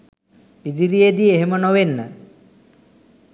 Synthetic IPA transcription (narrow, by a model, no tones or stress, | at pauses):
id͡ʒiɾied̪ieɦemənoʋenːə